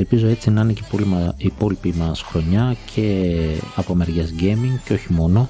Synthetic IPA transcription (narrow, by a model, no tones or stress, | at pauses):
elpizo̞e̞t͡sinɐinecepolimɐipo̞lipimɐsxɾo̞ɲɐcʰe̞ɐpomeɾʝezɟemiŋɡceoçimo̞no̞